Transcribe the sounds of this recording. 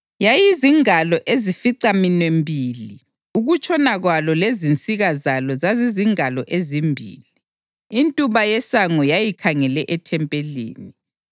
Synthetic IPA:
jajiziŋalɔʔezifiǀaminwembʱiːli | uɣut͡ʃʰʼɔnaɣwalɔlezint͡sʼiɣazalɔzaziziŋalɔʔezimbʱḭːliː | ntʼuβajɛsaŋɔjajikʰaŋɛlɛʔɛtʰɛmpʼelḭːni

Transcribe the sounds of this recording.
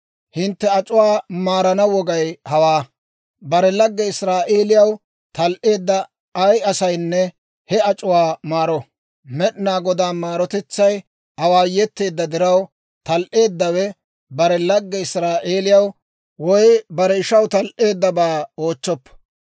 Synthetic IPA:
hɪnt̪ːɛɐt͡ʃʼʊwaːmaːɾɐnɐwɔɡɐjhɐwaː | bɐɾɛlɐɡːɛɪsɾaːʔeːlɪjɐw | t̪ɐlʔe̞ːd̪ːɐː | jɐsɐjnːɛ | hɛɐt͡ʃʼʊwaːmaːɾɔ | mɛɗnaːɡɔd̪aːmaːɾɔt̪ɛt͡sːɐj | ɐwaːjɛt̪ːe̞ːd̪ːɐd̪ɪɾɐw | t̪ɐlʔe̞ːd̪ːɐwɛ | bɐɾɛlɐɡːɛɪsɾaːʔeːlɪjɐw | wɔjbɐɾɛɪʃɐwt̪ɐlʔe̞ːd̪ːɐbaːoːt͡ʃːɔpːɐ̥

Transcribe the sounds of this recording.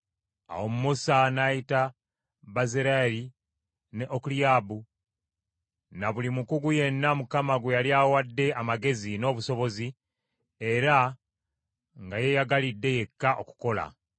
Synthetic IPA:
a̰wo̞mumusanajita | bazeɾaɾi | ne̞ʔokuliabu | naβulimukuɡuje̞nːamukamaɡwejaljawadːe̞amaɡe̞zino̞ːβuso̞βo̞zi | e̞ɾa | ŋɡaje̞jaɡalidːe̞je̞kːaʔo̞ku̥ko̞la̰

